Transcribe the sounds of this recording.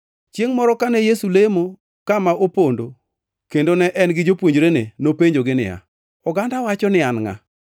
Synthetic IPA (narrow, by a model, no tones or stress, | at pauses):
t͡ʃjeŋmɔɾɔkanɛjesulemo | kamaʔopondo | kendonɛʔɛnɡɪd͡ʒopwoɲd͡ʒɾenenopeɲd͡ʒoɡɪnɪ̰ja̰ | ɔɡandawat͡ʃɔnɪanŋa̰